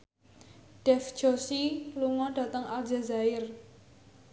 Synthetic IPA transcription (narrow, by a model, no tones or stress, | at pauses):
ɖ̥ɛfd͡ʒosiluŋɔɖ̥ä̤t̪əŋald͡ʒazaɪr